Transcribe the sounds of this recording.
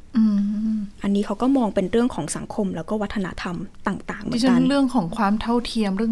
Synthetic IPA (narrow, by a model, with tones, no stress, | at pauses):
ʔɯː˧ʔa˧nːiː˦˥kʰa˦˥wkɔː˥˩mɔː˧ŋpe˧nɾɯ˥˩əŋkʰɔː˩˦ŋsa˨˩˦ŋkʰo˧mlɛː˦˥wkɔː˥˩wa˦˥t̪ʰːa˧na̰˧˥t̪ʰa˧mt̪aː˨˩ŋt̪aː˨˩ŋm̰ʰ˧˨˧a˥nɾɯ˥˩əŋkʰɔː˩˦ŋkʰwaː˧mt̪ʰa˥˩wt̪ʰi˧əmɾɯ˥˩˨